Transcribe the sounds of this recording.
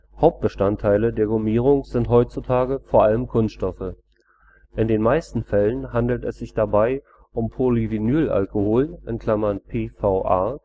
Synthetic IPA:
haʊp̚t̚b̥əʃtantʰːaɪlədeːɐɡomiːʁ̞ʊŋz̥ɪntɦɔʏt͡sutʰaːɡəfoːɐʔaləmkʰʊnsttɔfə | ʔɪndeːnmaɪstn̩fɛlənɦandl̩tɛsz̥ɪçd̥abaɪ | ʔʊmpʰolivinyːlʔa̰lkohoːlʔɪnkʰl̥amɐnpʰeːfaʊʔa

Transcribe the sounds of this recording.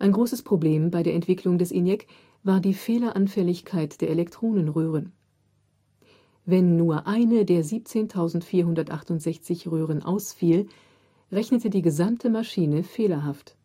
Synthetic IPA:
ʔaɪnɡʁoːsəspʁ̥obleːmbaɪdeːɐʔɛntv̥ɪklʊŋdɛsʔɪnjɛk | vaːɐdiːfeːlɐʔanfɛlɪçkʰaɪtd̥eːɐʔelɛktʁ̥oːnənʁøːʁ̞ən | vɛnːuːɐʔaɪnədeːɐziːp̚t͡seːntʰaʊzn̩tfiːɐɦʊndɐtʔaχtʊntz̥ɛçt͡sɪçʁøːʁ̞ənʔa̰ʊsfiːl | ʁɛçnətədiːɡəzamtʰəmaʃiːnəfeːlɐɦaft

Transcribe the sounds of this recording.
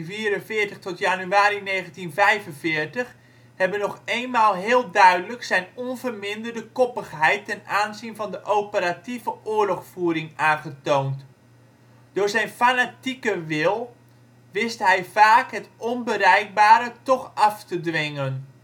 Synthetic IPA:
viːəɾənvɪːrtəχtɔtjanyaːɾineːɣəntinvɛjvənvɪːrtəx | hɛbənɔxejnmaːlˠɦɪːlˠdœɥdələksɛjnɔnvərmɪndərdəkɔpəxɦɛjtːɛnaːnzinvɑndəʔopəɾativəʔʊːəɹlɔxfuəɾɪŋaːnχətownt | d̥ʊːɹzɛjnfanatikəʋɪlˠ | ʋɪstɦɛjfaːkɦɛtɔnbərɛjk̚baːɾətɔχɑftədʋɪŋən

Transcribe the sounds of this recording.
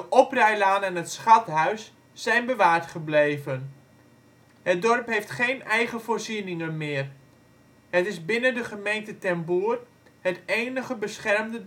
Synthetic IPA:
dəʔɔprɛjlaːnɛnətsχɑtɦœɥsː | ɛjnbəʋaːrtχəblejvən | hət̚dɔrpɦejftχeːnɛjχəfoːrzinɪŋənmɪːr | hətɪzbɪnəndəχəmejntətɛnbuːər | həteːnəχəbəsχɛrmdə

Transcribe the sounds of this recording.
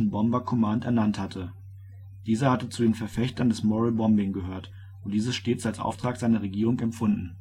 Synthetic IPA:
n̩bɔmbɐkʰɔmaːntɛɐnanthatʰə | d̥iːzɐhatət͡sudeːnfɛɐfɛçtɐndɛsmɔʁəbɔmbɪŋɡəhøːɐt | ʔʊntd̥iːzəsʃteːt͡salsʔa̰ʊftʁ̥aːkz̥aɪnɐʁ̞eɡiːʁ̞ʊŋɛmpfʊndn̩

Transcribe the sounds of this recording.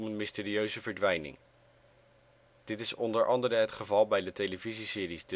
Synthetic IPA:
mənmɪsteːɾiøɥzəvəɹdʋɛjnɪ̰ŋ | d̥ɪtɪsɔndəɹʔɑndəɾəɦətχəvɑlˠbɛjdətejləvizisɪːɾisd

